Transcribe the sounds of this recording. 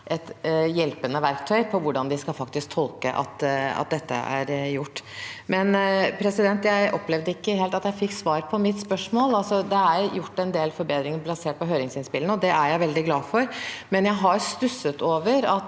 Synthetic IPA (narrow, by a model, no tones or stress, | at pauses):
ʔɛt̪jɛlpənːəʋæɾkt̪ʰœʏpʰɔʋʊɖɑnd̪ɪskɑlfɑkt̪ɪsk̚t̪ʰɔlˠkəʔɑ̰t̪ɑ̰t̪̚d̪ɛt̪ːə̰ʔæ̰ɾjʊʈːmɛnpʰɾɛsɪd̪ɛnt̪jæɪʔɔ̰plɛʋd̪əɪkːəɦeːlt̪ɑt̪jæɪfɪkːsʋɑːɾpʰɔmɪt̪spœʂmoːlɑlsɔd̪ɛæɾjʊʈːɛnd̪eːlfɔɾbeːd̪ɾɪŋəɾblɑseːʈ̚pɔɦøːɾɪŋsɪnspɪlnəɔd̪ɛʔæɾjæɪʋɛld̪ɪɡlɑːfɔɾmɛnjæɪɦɑst̪ʉsət̪oːʋəɾɑt̪